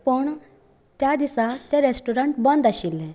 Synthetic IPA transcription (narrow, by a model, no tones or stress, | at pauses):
pəɳ | t̪jad̪isat̪ẽɾesʈuɾəɳʈbə̃nd̪aɕilːẽ